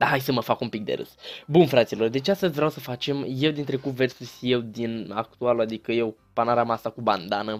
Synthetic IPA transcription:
d̪aɦajsəməfakumpik̚d̪e̞̰ɾɨ̰sbunfɾat̪silo̞rd̪e̞t͡ʃeast̪əzʲvɾeawsəfat͡ʃe̞mje̞wd̪int̪ɾe̞kupve̞rsusʲje̞wd̪ina̰k̚t̪ualuad̪ikəje̞w | panaɾamasakuband̪anə

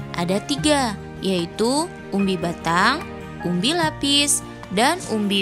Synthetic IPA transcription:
ʔa̰dat̪iɡa | jait̪u | ʔumbibat̪aŋ | umbilapɪs | danumbi

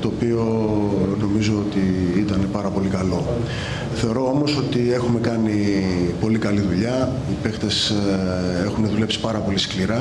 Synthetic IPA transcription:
t̪o̞ːpio̞no̞mizo̞ot̪iit̪ɐne̞pɐɾɐpo̞likɐlo̞ | θe̞o̞ɾo̞omo̞so̞t̪ie̞xume̞kɐnipo̞likɐliðuʎɐ | ipe̞xt̪e̞s | e̞xuneðule̞psi̥pɐɾɐpo̞liskliɾɐ

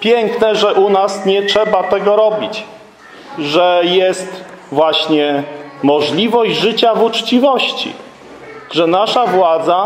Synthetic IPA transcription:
pʲjɛŋknɛʐɛʔunasɲɛt͡ʂʂɛbat̪ɛɡɔɾɔbʲit͡ɕ | ʐɛjɛst̪ | vwaɕɲɛmɔʐlʲivɔʑd͡ʑʐɘt͡ɕavut͡ʂt͡ɕivɔɕt͡ɕḭ | ʐɛnaʂavwad̪za

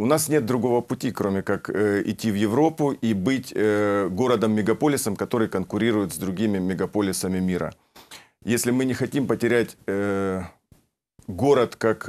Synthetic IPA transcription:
ʊnasnʲe̞t̪̚d̪ɾʊɡo̞vəpʊtʲikɾo̞mʲɪkakɪ̰tʲːivjɪvɾo̞pʊʔibɨtʲɡo̞ɾəd̪əmːʲɪɡɐpo̞lʲɪsəmkɐt̪o̞ɾɨjkənkʊɾʲiɾʊjɪt̪zd̪ɾʊɡʲimʲɪmʲɪɡɐpo̞lʲɪsəmʲɪmʲiɾə̰ | jesʲlʲɪmɨnʲɪxɐtʲimpətʲɪɾʲætʲ | ɡo̞ɾət̪kak

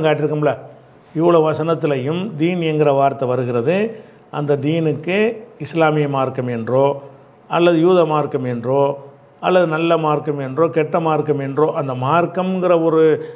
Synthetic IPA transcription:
kaːʈːɪɾɯkːɐmlɐ | ɪʋːɐɭoːʋɐsɐnɐt̪ːɪlɐjɯmd̪iːnɛnɡɪɾɐʋaːɾt̪ːɐʋɐɾɯɣɪɾɐðɯ | ʔɐnd̪ɐd̪iːnɯkːɯɪslaːmɪjɐmaːɾkɐmɛndrõː | ɐlːɐðɯjuːðɐmaːɾkɐmɛndrõː | ɐlːɐðɯnɐlːɐmaːɾkɐmɛndrõːkɛʈːɐmaːɾkɐmɛndrõːʔɐnd̪ɐmaːɾkɐmɡɪɾɐɔɾɯ

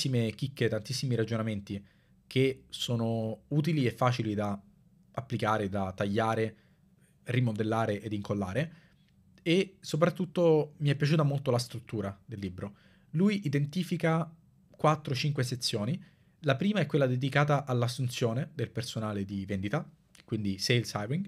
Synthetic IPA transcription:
imek̟ikːet̪ant̪isːimiɾad͡ʒonament̪i | kʰesoːnouːt̪̬iliefːaːt͡ʃilid̪a | apːlikaːɾed̪at̪ːaʎːaːɾe | rimod̪elːaːɾeʔed̪iŋkolːaːɾe | esop̬ɾat̪ːut̪ːomiɛpːjat͡ʃuːt̪amolt̪olast̪ɾut̪ːuːɾad̪elːiːbɾo | lujʔid̪ent̪iːfika | kwat̪ːɾot͡ʃiŋkweset̪sːjoːni | lapɾiːmaɛkːwelːad̪ed̪ikaːt̪aʔalːasːunt̪sjoːned̪elpersonaːled̪ivend̪it̪a | kwind̪isejlsabiŋ

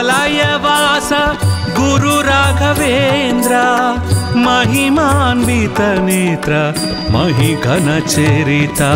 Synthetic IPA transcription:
laːjɐʋaːsɐɡuɾuɾaːɡʱɐʋend̪ɾa | mɐɦimanʋit̪ɐneːt̪ɾɐ | mɐɦiɡʱɐnɐt͡ʃeɾit̪a

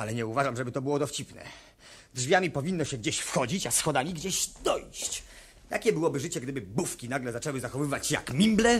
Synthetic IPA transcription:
alɛɲɛuvaʐamʐɛbɘt̪ɔbɘwɔd̪ɔft͡ɕipnɛ̰ | dʐvʲjamʲipɔvʲinːɔɕɛɡd͡ʑeɕfxɔd͡ʑit͡ɕasxɔd̪amʲiɡd͡ʑeɕd̪ɔjɕt͡ɕ | t̪akʲɛbɘwɔbɘʐɘt͡ɕɛɡd̪ɘbɘbufkʲinaɡlɛzat͡ʂɛwɘzaxɔvɘvat͡ɕja̰kmʲimblɛ

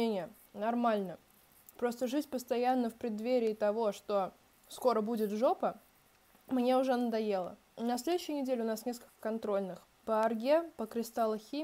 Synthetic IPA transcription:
enʲɪjə | nɐrmalʲnə | pɾo̞st̪əʐɨtʲpəst̪ɐjanːəfpɾʲɪd̪vʲeɾʲɪːt̪ɐvo̞ʂt̪o̞ | sko̞ɾəbudʲɪt̪ʐo̞pə | mnʲe̞ʊʐɛnəd̪ɐje̞lˠə̰ | nɐs̬ʲlʲed̪ʊɕːɪjənʲɪdʲelʲʊnasnʲe̞skəlʲkə̥kɐnt̪ɾo̞lʲnɨx | pəɐrɡʲepəkɾʲɪst̪alˠxʲi

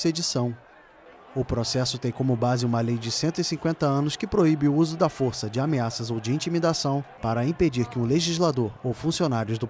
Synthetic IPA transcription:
sed͡ʒisɐ̃w̃ | ʊpɾosɛsʊt̪ẽj̃kõmʊbazɪũmɐlejd͡ʒɪsẽnt̪ʊisĩŋkwẽnt̪ɐɐ̃nʊskɪpɾoibɪʊuzʊd̪ɐfoɾsɐd͡ʒɪameasɐzowd͡ʒɪĩt͡ʃimid̪asɐ̃w̃paɾɐĩped͡ʒiɾkɪũleʒizlad̪oɾowfũsionaɾjʊzd̪ʊ

